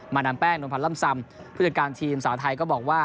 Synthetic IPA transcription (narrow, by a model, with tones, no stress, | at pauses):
maː˧naː˧mpɛː˥˩ŋno˧npʰa˧nla˥˩msa˧m | pʰu˥˩t͡ɕːkaː˧nt̪ʰiː˧msaː˩˦wt̪ʰa˧jkɔː˥˩bɔː˨˩k̚waː˥˩